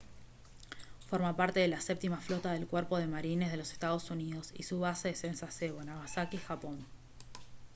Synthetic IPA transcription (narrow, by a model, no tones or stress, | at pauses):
fo̞ɾmapaɾt̪e̞ðelasep̚t̪imaflo̞t̪að̞e̞lkwɛɾpo̞ð̞e̞maɾine̞zð̞e̞lo̞se̥st̪að̞o̞suniðo̞sḭsuβaseðesensaseβonaβasakixapo̞n